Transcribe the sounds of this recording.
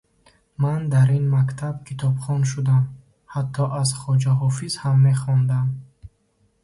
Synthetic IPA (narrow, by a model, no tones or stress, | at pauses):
mand̪aɾinmakt̪ʰab̚kʰit̪ʰɔbχɔnʃ̬ud̪am | hat̪ʰːɔʔazχɔd͡ʒaɦɔfizhamːe̞χɔnd̪am